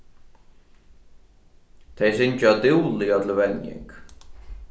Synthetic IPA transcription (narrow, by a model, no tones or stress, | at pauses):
t̪ʰejsɪnt͡ʃat̪ɪwlɪjat̪ʰɪlvɛnjɪ̰ŋk